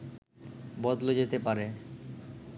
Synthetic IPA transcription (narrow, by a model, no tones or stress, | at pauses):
bɔd̪lod͡ʑet̪epaɾe